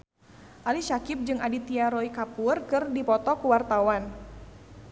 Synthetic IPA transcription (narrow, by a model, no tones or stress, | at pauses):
ʔaliʃakɪp̚d͡ʒɨŋadit̪iaɾoikapurkɨrdipɔt̪ɔkuwart̪awan